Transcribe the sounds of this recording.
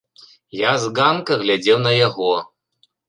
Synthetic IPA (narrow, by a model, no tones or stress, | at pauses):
jazɡankɐɣlʲad͡zʲɛwnɐjaɣɔ